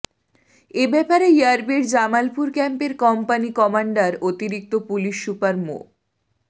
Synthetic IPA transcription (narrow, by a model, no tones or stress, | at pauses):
ebɛpaɾeiaɾbiɾd͡ʑamalpuɾkɛmpeɾkɔmpanikɔmaɳɖaɾot̪iɾik̚t̪opuliʃːupaɾmo̰